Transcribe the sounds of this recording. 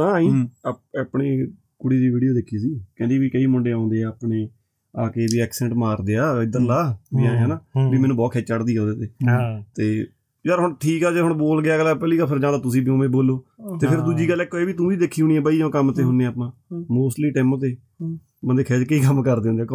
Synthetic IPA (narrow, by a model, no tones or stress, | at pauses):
ãːĩːapaːpɳeː | kʊɽiːd̪iːʋiːɖijoːd̪ekʰiːsiːkɛ̃ːd̪iːʋiːkəiːmʊɳɖeːãːnd̪eːaːəpɳeː | aːkeːʋiːɛːksɛ̃ɳʈmaːɾd̪eːaːɪd̪əɾlaːbiːãːɛ̃ːnãːbiːmɛ̃ːnũːbɔːt̪kʰɛːt͡ʃəɽd̪iːõːd̪eːt̪eːt̪eː | d͡ʒəɾɦʊɳʈʰiːkaːd͡ʒəɾɦʊɳboːlɡɪjaːɡəlːapɛːliːɡəlpʰəɾd͡ʒãːd̪aːt̪ʊs̬ĩːbiõːmẽːboːlːoːt̪eːpʰɪɾd̪uːd͡ʒiːɡəlːɪkːoeːʋiːt̪ũːʋiːd̪eːkʰːiːɦʊɳ̃iːɛ̃ːbaːiːd͡ʒaõːkəmt̪eːɦʊnːeaːpːãːmoːsʈliːʈɛːmõːt̪eː | mənd̪eːkʰɛːd͡ʒkəiːkəmkəɾd̪eːõnd̪jaːkː